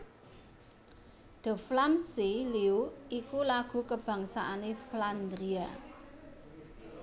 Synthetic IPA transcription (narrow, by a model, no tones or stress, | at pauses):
d̪̥ə̤flamsiliuikulaɡ̥ṳkəb̥ä̤ŋsaʔanefland̪ɾia